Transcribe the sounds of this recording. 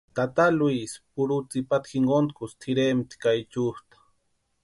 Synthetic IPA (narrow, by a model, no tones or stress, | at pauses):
t̪at̪alwispuɾut͡sipat̪xiŋɡont̪̚kust̪ʰiɾemt̪i̥kajt͡ʃust̪ḁ